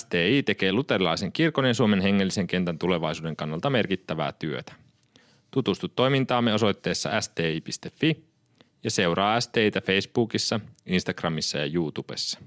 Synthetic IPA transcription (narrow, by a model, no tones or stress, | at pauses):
st̪eːiːt̪e̞ke̞ːlut̪e̞rlɑjse̞ŋkirko̞njɑsuome̞nɦe̞ŋːe̞lːise̞ŋk̟e̞nt̪ænt̪ule̞ʋɑjsuːde̞ŋkɑnːɑlt̪ɑme̞rkit̪ːæʋæ̰ːt̪yøt̪æ̥ | t̪ut̪ust̪ut̪ːo̞jmint̪ɑːmːeo̞so̞jt̪ːe̞ːsːɑ̰ʔæst̪eːiːpist̪e̞fːi | jɑse̞uɾɑːæst̪eːjt̪æfe̞jsb̥uːkisːɑinst̪ɑɡ̥rɑmisːɑjɑ̰juːt̪ub̥ḛsːɑ̥